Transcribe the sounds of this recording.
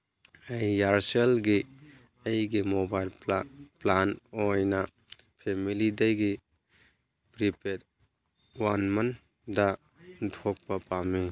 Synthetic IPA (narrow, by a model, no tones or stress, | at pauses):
ɐjːaɾselɡi | ɐjɡimobajlplanojnɐ | pʰemilidɐjɡi | pɾipeɾ | wanmɐn | dɐ | tʰok̚pɐpamːi